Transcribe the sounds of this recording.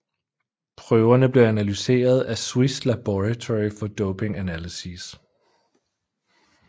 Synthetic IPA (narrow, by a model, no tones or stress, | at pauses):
pʰʁœʊɐnəb̥le̝ænælyse̝̰ːɐð̞ˠæswisd̥læb̥ɒæt͡sʰɒʁifɒ̽d̥ɔʊpʰe̝ŋænælisis